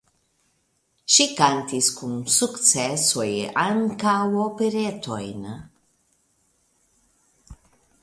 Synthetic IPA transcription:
ʃikant̪iskunsukt͡sɛsojaŋkawopeɾet̪ʰojn

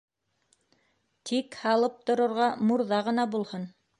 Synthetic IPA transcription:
t̪ʰikhɑlˠɤp̚t̪ŏɾɤ̆ɾʁɑmuɾðɑʁɤ̆nɑbulˠhɤn

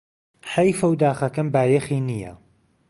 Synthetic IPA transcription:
ħɐjfɐwd̪aːxɐkɐnbaːjexiːnijɐ̰

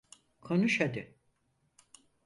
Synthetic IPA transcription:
kʰonuʃad̪ɯ

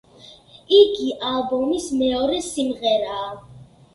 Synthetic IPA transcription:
iɡiʔalˠbɔmismɛɔɾɛsimʁɛɾaː

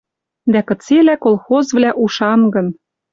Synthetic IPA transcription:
d̪ækɤ̆t͡selækolˠxozvlæʔuʃɑnɡɤ̆n

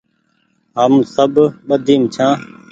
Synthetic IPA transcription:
ɦəmsəbɓəd̪ʱiːmt͡ʃʰãː

